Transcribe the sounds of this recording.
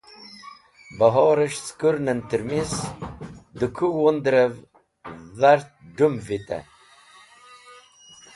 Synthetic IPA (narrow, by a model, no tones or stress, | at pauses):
bəɦɔːɾəʃskuɾnənt̪əɾmis | d̪əkʰuwond̪ɾəv | ðaɾt̪̚ɖumvit̪a̰